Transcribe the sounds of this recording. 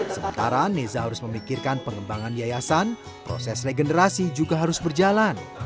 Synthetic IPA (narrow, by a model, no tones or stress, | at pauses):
səmə̰nt̪aɾanezaɦaɾʊsməmikɪrkanpəŋəmbaŋanijajasan | pɾo̰sɛsreɡənəɾasid͡ʒuɡaɦaɾʊsbərd͡ʒalan